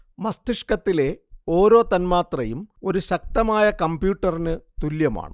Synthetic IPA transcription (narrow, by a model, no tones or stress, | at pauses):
mɐst̪iʂkɐt̪ːile̞o̞ːɾo̞ːt̪ɐnmaːt̪rɐjumo̞ɾuɕɐk̚t̪ɐmaːjɐkɐmbjuːʈːɐrinɨt̪uljɐma̰ːɳɨ̰